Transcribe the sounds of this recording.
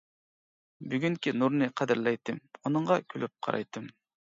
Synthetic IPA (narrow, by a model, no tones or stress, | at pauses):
byɡʲyŋkʲinuɾnɨqʰæd̪ɪɾlɛjt̪ʰːɨmunɨɴʁɑkʲʰylʔyp̚qʰɑ̰ɾɑ̰jt̪ʰːɨm